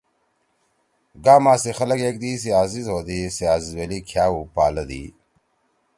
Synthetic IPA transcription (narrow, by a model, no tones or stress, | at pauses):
ɡaːmaːsixɐlɐkeːk̚d̪iːs̬iaːzizɦoːd̪isiaːzizwelikʰjaːupaːlɐd̪ḭː